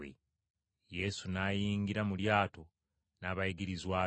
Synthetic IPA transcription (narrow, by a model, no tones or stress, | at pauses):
ḛ | je̞ːsunaːjiːŋɡiɾamuljaːto̞ | naːβajiɡiɾizwaː